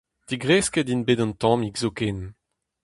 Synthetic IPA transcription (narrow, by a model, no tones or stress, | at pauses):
d̥iɡʁɛskɛdinbeːdɑ̃nt̪ɑ̃miɡzoken